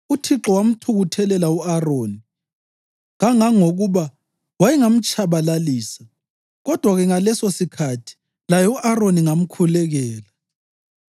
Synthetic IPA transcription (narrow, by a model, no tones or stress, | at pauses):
utʰiǁɔwam̩tʰuɣutʰɛlɛlauaroːni | ɣaŋaŋoɣuβa | wajɛŋam̩t͡ʃʼaβalaliːsa | ɣɔd̥ʱwaɣɛŋalɛsosikʰatʰi̥ | lajɔuʔaroniŋam̩kʰulɛɣɛːla